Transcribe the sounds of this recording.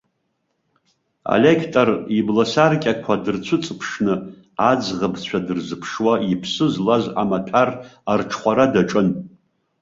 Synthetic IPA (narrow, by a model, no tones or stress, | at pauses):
a̰lʲekʰtʼariblasarkʲʼakʷʰadɨrt͡ɕʷʰɨt͡sʼpʰʂnɨ | ad͡zʁabt͡ɕʷʰadɨrzɨpʰʂwaipʰsɨzlaza̰matʷʰararʈ͡ʂʰχʷaɾadaʈ͡ʂʼɨn